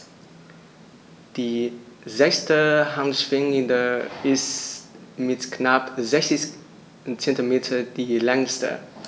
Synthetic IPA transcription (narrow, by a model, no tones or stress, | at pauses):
d̥iːzɛkstəhantʃv̥ɪŋəndəɪs | mɪtknapzɛçt͡sɪç | t͡sɛntimeːtʰɐd̥iːlɛŋstə̰